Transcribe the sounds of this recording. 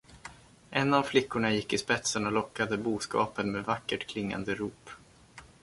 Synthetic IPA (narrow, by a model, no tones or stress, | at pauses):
ʔɛnːavflɪkːʊɳajɪkːɪspɛt̪sənɔlɔkːad̪əbuːskɑ̰ːpənmeːvakːəʈkʰlɪŋːa̰nd̪əɾuːp